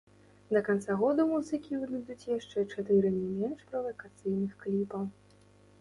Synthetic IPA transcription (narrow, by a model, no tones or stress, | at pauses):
d̪ɐkant̪saɣɔd̪umuzɨkʲivɨd̪ud̪ut͡sʲjaʂt͡ʂɛt͡ʂat̪ɨɾɨnʲimʲɛnʂpɾɐvɐkat̪sɨjnɨxklʲipɐw